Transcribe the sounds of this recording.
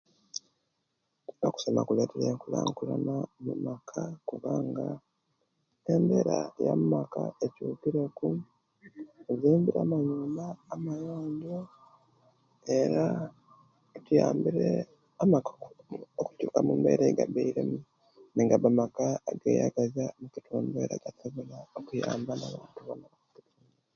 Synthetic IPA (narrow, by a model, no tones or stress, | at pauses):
oku̥somakule̞ːteɾeːŋkulaːŋkulanamumakʰakuβaːŋɡa | embe̞ɾajamumakaecuːkiɾeku | ziːmbiɾaːmaɲuːmbaːmajaːɲdo | eɾa | tujaːmbiɾe | amakoku̥cuːkamumbḛɾeɡabeiɾḛm | neŋɡabamakaɡeːja̰ɡazaomukitʰoːmbeɾa̰ɡ̥asaβolaokujaːmbanaβaːntuβamunakakilun | a